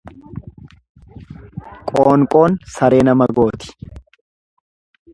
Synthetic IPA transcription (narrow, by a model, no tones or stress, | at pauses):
kʼoːŋkʼo̞ːnsɐɾe̞ːnɐmɐɡo̞ːt̪ɪ̥